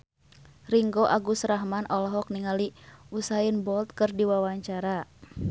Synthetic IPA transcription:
riŋɡoʔaɡusraɦmanʔɔlɔɦɔk̚niŋaliusainbɔlt̪̚kɨrdiwawaɲt͡ʃaɾa

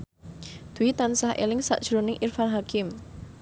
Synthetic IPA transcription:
d̪̥uwit̪ansahʔḛlɪŋsa̰ʔd̥ʒ̥ɾonɪŋʔirfanɦakɪm

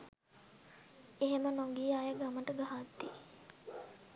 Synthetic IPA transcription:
eɦemənoŋɡiajəɡaməʈəɡaɦat̪ːi

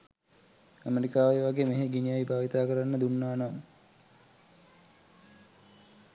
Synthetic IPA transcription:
æmeɾikaːʋeʋaɡeːmeɦeɡinijajbʱaːʋit̪aːkəɾanːəd̪unːaːnam

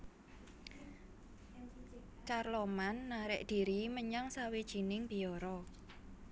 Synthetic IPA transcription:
t͡ʃarlɔmanːaɾɪʔd̥i̤ɾiməɲaŋsawid̥ʒ̥i̤nɪŋb̥i̤ɔɾɔ

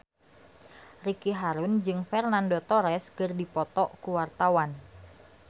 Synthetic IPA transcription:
rikiɦaɾund͡ʒɨŋfɛrnandot̪ɔɾɛskɨrdipɔt̪ɔʔkuwart̪awan

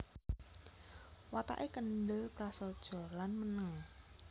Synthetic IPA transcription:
wat̪a̰ʔekənɖəpɾasod̥ʒ̥ɔ̤rlanmənəŋ

